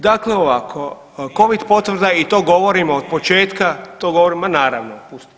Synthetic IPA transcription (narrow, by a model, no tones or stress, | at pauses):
d̪akleoʋakʰo̞ | ko̞ʋid̪po̞t̪ʋr̩d̪ait̪o̞ːɡo̞ʋo̞ɾimood̪̚po̞t͡ʃe̞ːt̪kat̪oːɡo̞ʋoɾimanaːɾaʋnopust̪